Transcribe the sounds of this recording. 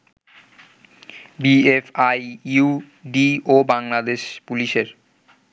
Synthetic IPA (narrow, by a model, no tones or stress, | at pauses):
biefaju | ɖiobaŋlad̪eʃpuliʃeɾ